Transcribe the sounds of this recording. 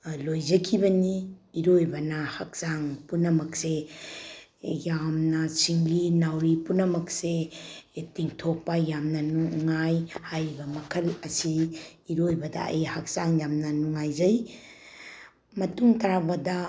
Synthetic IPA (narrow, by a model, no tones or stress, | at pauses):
lojzɐkʰibɐniːɾojbɐnɐhak̚saŋpunɐmɐkse | jamnɐsiŋlinawɾipunɐmɐk̚se | tiŋtʰok̚pɐjamnɐnuŋajhajbɐmɐkʰɐlɐsiːɾojbɐdɐ̰ɐ̰jhak̚saŋjamnɐnuŋajzɐj | mɐtuŋtɐɾabɐdɐ